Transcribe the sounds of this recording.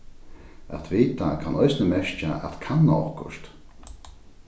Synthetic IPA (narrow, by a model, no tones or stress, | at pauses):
ɛ̰t̪ʰveːt̚dakʰanʔɔjsnəmɛʃt͡ʃaʔa̰t̪kʰanːɔ̰ːχkʊ̰ʃt